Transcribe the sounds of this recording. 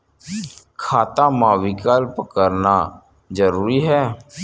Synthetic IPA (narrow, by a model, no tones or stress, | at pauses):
kʰaːt̪ãːmãːʋiːkaːlpəkəɾnaː | d͡ʒəɾuːɾiːɦɛː